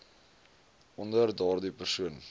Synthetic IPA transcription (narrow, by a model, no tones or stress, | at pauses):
ʔɔndərdɑːrdipərsuən